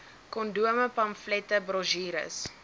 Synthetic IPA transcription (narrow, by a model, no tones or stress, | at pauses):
kɔnduəməpɐmflɛtəbrɔʒiːɾə̰s